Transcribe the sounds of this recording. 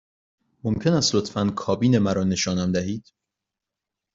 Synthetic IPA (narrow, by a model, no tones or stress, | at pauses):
mo̞mcʰe̞næst̪lot̪fænkʰɒːbiːne̞mæɾɒːne̞ʃɒːnæmd̪æɦiːd̪̥